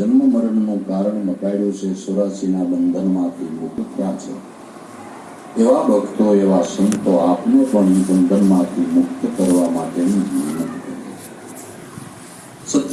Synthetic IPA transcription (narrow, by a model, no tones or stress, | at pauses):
d͡ʒənməməɾəɳnõkaɾəɳnəkaiɭot͡ʃʰesoɾasinabənd̪ʱənmãt̪ʰimʊkt̪ʰjat͡ʃʰḛ | eʋabʱəɡt̪oeʋasənt̪oapnõpəɳnibənd̪ʱənmãt̪ʰimʊkt̪kəɾʋamaʈenĩninət̪k̪əɾḛ | sət̪